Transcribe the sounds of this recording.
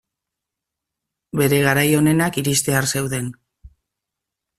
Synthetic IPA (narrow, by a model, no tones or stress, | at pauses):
be̞ɾe̞ɣ̞aɾajo̞ne̞nakiɾist̪e̞aɾse̞wðe̞n